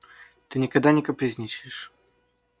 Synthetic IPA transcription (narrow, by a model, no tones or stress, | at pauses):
t̪ɨnʲɪkɐd̪anʲɪkəpɾʲɪzʲnʲit͡ɕʲɪʂ